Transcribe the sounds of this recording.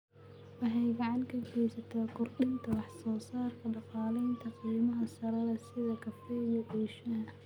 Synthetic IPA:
wɐɦɛjɡɑʕɑnkʰɐɡɛjsɐt̪ʰɐkʰʊrɗɪnt̪ʰɐwɑħsɔːsaːrkʰɐɖɑqɑːlɛjnt̪ʰɐqiːmɐɦɐsɐɾɐðɐsɪðɐkʰɐfɛːjɔʔɛːʃɐɦɐ

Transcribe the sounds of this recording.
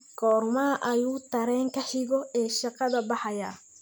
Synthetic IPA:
kʰɔːrmɐʔɐjuːt̪ʰɐɾɛːŋkʰɐħɪɣɔɛːʃɑqɑðɐbɑħɑjɐ̰

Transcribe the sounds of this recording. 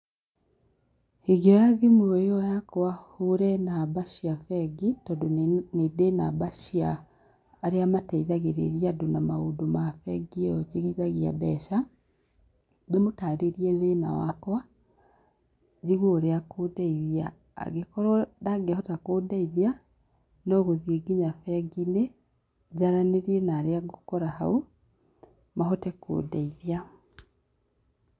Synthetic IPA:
hiɡeɾaðimwejɔjakwahuɾɛnabaʃiafɛɡitɔdonedenabaʃiaː | ɾeamatɛiðaɣeɾḛɾiadonamaudomafɛɡiɔd͡ʒiɣidaɣia̰bɛʃa | demotaɾeɾiɛðena̰wakwa | d͡ʒiɣwoɾeakodaiðja̰ː | ɣekɔɾɔdaɡehɔtakodaiðja | nɔːɣoðieɡiɲafɛɡine | d͡ʒaɾaneɾienaɾeaɡokɔɾaha̰u | maɦɔtɛko̰ːdaiðia

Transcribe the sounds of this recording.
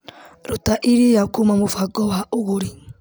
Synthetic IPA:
ɾotaʔiɾejaokomamofaɡɔwaʔoɣoɾi

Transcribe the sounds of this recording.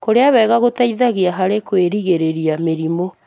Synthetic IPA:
koɾeawɛːɣaɣotaiðaɣeaɦaɾekweɾiɣeɾeɾiameɾimo

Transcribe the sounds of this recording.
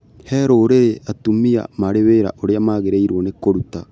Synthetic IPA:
heːɾoːɾeʔɐt̪ːumːija̰maɽeβeːɾa̰ʔoɽejɐmaːɡeɾeiɾoːnekːoɽut̪ːa

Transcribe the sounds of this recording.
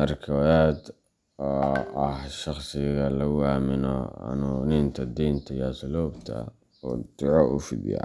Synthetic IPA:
mɐrkʰɐwjaːd̪ | ɔːɐhʃɑχsɪɣɐlɐwaːmɪnɔɐ̰nuːnɪnt̪ʰɐd̪iːnt̪ʰɐjɐsluːbt̪ʰɐ̰ | ɔːd̪ʊʕɔʔʊfɪ̰d̪jɑ̰

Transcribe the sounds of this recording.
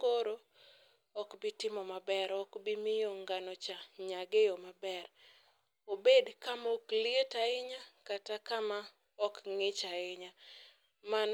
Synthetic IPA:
oɾo | ɔkbɪtɪmɔmabɛɾɔkbɪmɪjɔŋɡanɔt͡ʃaɲaɡejɔmabɛr | obedkamɔklietaɪɲakatakama | ɔkŋɪt͡ʃaɪɲa | man

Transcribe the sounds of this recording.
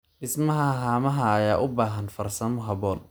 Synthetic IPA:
ʔɪsmɐɦɐɦaːmɐɦɐːjaːʔʊbaːɦɐnfɐrsɐmʊɦɐbɔːn

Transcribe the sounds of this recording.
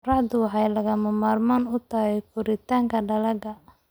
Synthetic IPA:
rɑʕd̪ʊɦɐjlɐɣɐmɐmaːrmaːnʊt̪ʰaɣɛjkʰʊɾɪt̪ʰaːŋkʰɐɖɐlɐɡɐ

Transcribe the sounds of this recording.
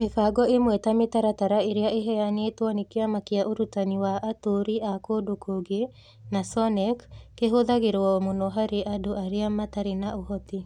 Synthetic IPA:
mefaɡɔemwɛtametaɾataɾaeɾeaʔeɦɛjanetwɔnikeamakeaʔoɾutaniwaʔːtoɾiʔakodokoɡe | nasɔnɛkːeɦoðaɣeɾɔmonɔɦaɾeʔadoʔaɾeamataɾenaohɔti

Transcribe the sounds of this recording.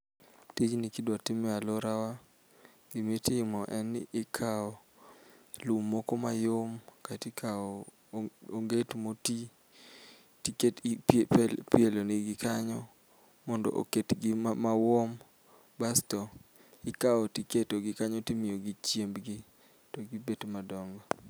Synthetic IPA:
tid͡ʒnɪkidwatɪmɛaloɾawa | ɡimetɪɪmɔʔɛnɪkʰaɔ | lumːɔkɔmajomkatikʰaɔ | oŋɡetmoti | tiket | pelonɪɡɪkaɲɔ | mɔndɔ̰ʔo̰ketɡɪmawɔm | bastɔ | ɪkaɔtiketoɡɪkaɲɔtimɪjoɡɪt͡ʃjembɡɪ | tɔɡɪbetmadɔŋɡɔ

